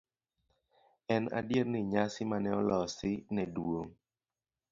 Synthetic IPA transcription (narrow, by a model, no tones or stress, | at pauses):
ɛna̰djeɾnɪɲasɪmanɛɔlɔsɪnɛdwoŋ